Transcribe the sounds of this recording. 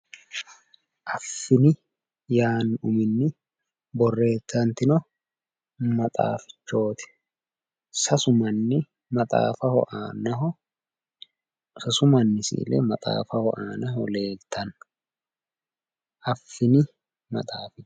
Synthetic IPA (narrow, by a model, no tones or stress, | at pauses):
ʔɐfːɪnɪ | jaːnʊmɪnːɪ | bɔrːe̞ːt̪ːɐnt̪ɪnɔ | mɐt̪ʼa̰ːfɪ̥t͡ʃːo̞ːt̪ɪ̥ | sɐsʊmɐnːɪ | mɐt̪ʼa̰ːfɐhɔʔaːnɐɦɔ | sɐsʊmɐnːɪsɪ̰ːlɛ̰mɐt̪ʼa̰ːfɐhɔʔaːnɐɦɔle̞ːɡt̪ʰːɐn | ʔɐfːɪnɪ | mɐ̰t̪ʼaːfɪ